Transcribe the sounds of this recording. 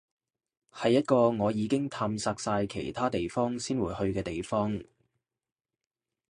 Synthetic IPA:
hɐ˨jːɐ˥t̚kɔː˧ŋɔː˨˧jiː˨˧kɪ˥ŋt̪ʰaː˧msaː˧k̚saː˧jkʰḛ˨˩jt̪ʰaː˥t̪e˨jfɔː˥ŋsiː˥nwuː˨˧jhɵ˧ɥkɛː˧t̪e˨jfɔː˥ŋ

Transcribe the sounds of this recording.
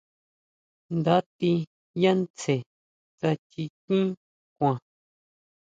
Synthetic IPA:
nd̪a˦t̪i˧ | jã˦nt͡se˨ | t͡sa˧t͡ʃi˧kĩ˦ | kʷã˨

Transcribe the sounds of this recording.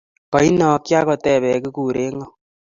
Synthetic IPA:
kɔ˨i˦nɔ˨kja˦kɔ˨tɛ˨βɛ˨kɨ˦kuː˨ɾe˦ŋɔ˦

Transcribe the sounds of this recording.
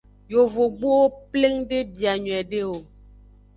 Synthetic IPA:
jo˨vo˨ɡ͡bo˦wo˦ple˦ŋɖe˦bi˨a˨ɲũ˨ɛ˨ɖe˦wo˨

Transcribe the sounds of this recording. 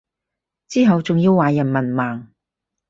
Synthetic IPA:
t͡siː˥ɦɐ˨wt͡sʊ˨ŋjiː˧wːaː˨jɐ˨˩nmɐ˨˩nmaː˨ŋ

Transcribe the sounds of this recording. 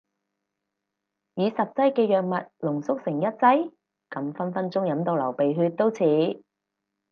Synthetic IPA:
jiː˨˧sɐ˨p̚t͡sɐ˥jkɛː˧jœː˨k̚mɐ˨t̚lʊ˨˩ŋsʊ˥k̚sɪ˨˩ŋjɐ˥t̚t͡sɐ˥j | kɐ˨˥mfɐ˥nfɐ˥nt͡ʃʊ˥ŋjɐ˨˧˥mt̪o˧wlɐ˨˩wpe˨jɦyː˧t̚t̪ːo˥wt͡sʰiː˨˥

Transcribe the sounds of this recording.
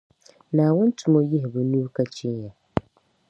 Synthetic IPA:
nãː˨wʊ̃˦n˦tʰu˨mɔ˦ji˦ɦɪ˨bʊ˨nũ˦ka˦t͡ɕʰi˦nja˨

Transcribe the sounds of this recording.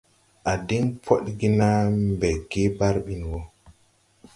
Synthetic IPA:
ʔa˨di˦ŋpʰɔ˦ɗɡi˦na˦mbɛ˨ɡe˦ba˦ɾɓi˨nwɔ˦

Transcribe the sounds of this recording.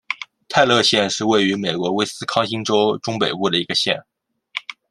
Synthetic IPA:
t̪ʰa˥˧ɪlɤ˥˧ɕjɛ˥˧nʂɻ̩˥˧we˥˩ɪy˧˥me˨˩ɪkwɔ˧˥we˥ɪsɹ̩˥kʰɑ˥ŋɕi˥ŋʈ͡ʂo˥ʊʈ͡ʂʊ˥ŋpe˨˩ɪpu˥˩d̪ə˩i˧˥ɡə˧ɕjɛ̰˥˧˩n

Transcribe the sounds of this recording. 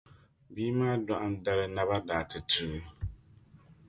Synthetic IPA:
biː˦maː˦dwa˨ʔa˦n˦da˦lɨ˦na˦ba˦daː˨tɨ˨tɨ˨˦

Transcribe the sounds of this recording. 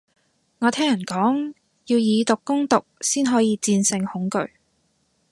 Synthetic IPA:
ŋɔː˨˧t̪ʰɛː˥ŋjɐ˨˩nkɔː˨˥ŋ | jiː˧wjiː˨˧t̪ʊ˨kːʊ˥ŋt̪ʊ˨k̚siː˥nɦɔː˨˥jiː˨˧t͡siː˧nsɪ˧ŋhʊ˨˥ŋkɵ̰˧ɥ

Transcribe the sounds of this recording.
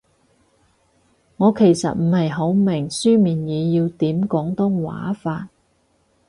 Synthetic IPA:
ŋɔː˨˧kʰe˨˩jsɐ̰˨t̚m̩˨˩hɐ˨jɦo˨˥wmɪ˨˩ŋsyː˥miː˨˩njiː˨˧jiː˧wt̪iː˨˥mkɔː˨˥ŋt̪ʊ˥ŋwa̰ː˨˥faː˧t̚

